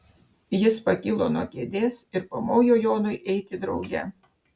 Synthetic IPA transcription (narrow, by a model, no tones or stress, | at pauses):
jɪspɐkʲɪlˠoːnuɔkʲeːd̪ʲeːsɪɾpoːmoːjoːjoːnʊɪʔɛɪt̪ʲɪd̪ɾɒʊɡʲɛ̰